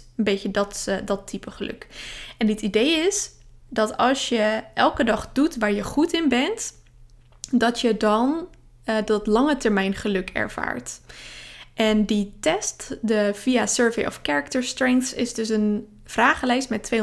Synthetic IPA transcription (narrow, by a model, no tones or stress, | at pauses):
ənbejcədɑtdɑtʰːipəχəlɵ̰kɛnətidejɪs | dɑtɑlˠsjəʔɛlˠkədɑχdutʋaːɹjəχutɪnbɛnt | dɑtjədɑn | dɑtlɑŋətɛɹmɛjnχəlɵkɛ̰ɹv̥a̰ːɹt | ʔɛnditɛstdəv̥iasøːɹvejʔɔ̰fkɛɹək̚təɹstrɛŋkθsɪzdɵsən | v̥raːχəlɛjstmɛtːʋej